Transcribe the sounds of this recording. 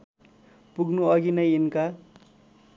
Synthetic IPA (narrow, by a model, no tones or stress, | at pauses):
puɡnuʌɡinʌjinka